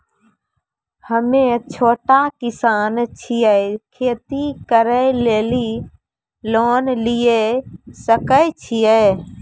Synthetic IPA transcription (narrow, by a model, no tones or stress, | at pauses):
həmẽt͡ʃʰoːʈakɪsaːnt͡ʃʰijəkʰeːt̪ikəɾəleːli | loːnlijesəkət͡ʃʰijə